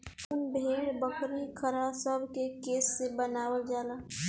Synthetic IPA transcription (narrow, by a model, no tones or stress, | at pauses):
ʊnbʱeːɽbəkɾikʰəɾasəbʱkekeːsːebənaːwəld͡ʒaːlaː